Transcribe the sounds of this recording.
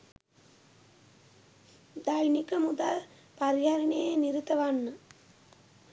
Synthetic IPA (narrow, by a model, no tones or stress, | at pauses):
d̪ajnikəmud̪al | paɾiɦaɾinejəniɾit̪əʋanːə